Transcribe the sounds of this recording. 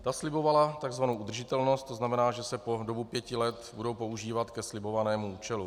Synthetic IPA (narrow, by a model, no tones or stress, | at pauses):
t̪aslɪbo̞valat̪aɡzvanowud̪r̩ʒɪt̪ɛlno̞st̪ːoznamɛnaːʒɛsɛpo̞do̞bupjɛcɪlɛt̪budo̞wpo̞uʒiːvat̪kɛslɪbo̞vanɛːmuuːt͡ʃɛlu